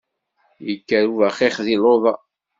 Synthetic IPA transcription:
jəkːæɾuvæχiχðiloðˤɑ

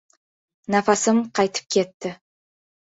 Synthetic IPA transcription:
nɑfɑsəmqʰɑjt̪ʰə̥p̚kʲʰe̞t̪ːɪ

